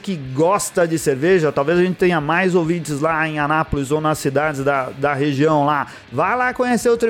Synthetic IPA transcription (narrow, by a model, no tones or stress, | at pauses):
kɪɡɔst̪ɐd͡ʒɪseɾveʒɐt̪awvezɐʒẽnt͡ʃɪ̥t̪ẽɲ̃ɐmajzowvĩnt͡ʃɪzlaẽanapolɪzownɐsid̪ad͡ʒɪzd̪ɐd̪ɐɦeʒiɐ̃w̃la | vajlakõɲeseʊt̪ɾe